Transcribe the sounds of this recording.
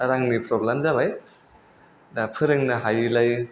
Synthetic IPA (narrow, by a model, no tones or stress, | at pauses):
ɾaŋnipɾɔblamzabaj | napʰɯɾɯŋnɐɦajlaj